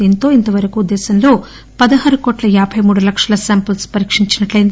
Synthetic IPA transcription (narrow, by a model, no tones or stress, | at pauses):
iːnt̪o̞ːint̪ɐʋɐɾɐkuːd̪ːɛːsɐnlo̞ː | pɐd̪ɐɦɐːɾukoːʈlɐjaːbʱɐjmuːɽulɐkʂɐlɐsaːmpɐlspɐɾiːkʂiɲt͡ʃinɐʈlɐjind̪